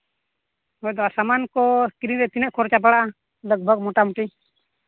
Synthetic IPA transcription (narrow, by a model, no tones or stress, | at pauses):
hɔjd̪ɔasamankɔkɾiɾɛt̪inəʔ̪̚kʰɔɾt͡ʃap̬aɽaa | ləɡ̚bʱəɡmɔʈamuʈi